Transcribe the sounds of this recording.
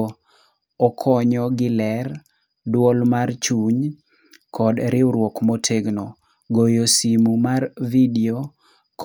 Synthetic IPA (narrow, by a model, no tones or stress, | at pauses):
ɔkʰɔɲɔɡɪlɛr | dwɔlmart͡ʃuɲ | kʰɔdɾɪwɾwɔkmotʰeɡnɔ | ɡojosimumarvidio | k